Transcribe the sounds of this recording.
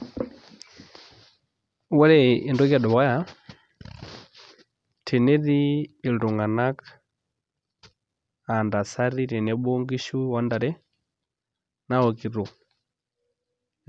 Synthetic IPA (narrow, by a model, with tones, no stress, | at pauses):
wɛ˦ɾɛ˦i˨ndɔ˦ɣa˨ɗɔ˨wa˦ja˨ | tʰi˨nɛ˦ɾiː˦˨du˨ŋɡa˨na˦k | a˨nda˨sa˦ɾi˦ti˨nɛ˦ɓo˦ŋɡi˦ʃu˦wa˦nda˨ɾɛ˦ | na˦ɔ˨ki˨ɾu˨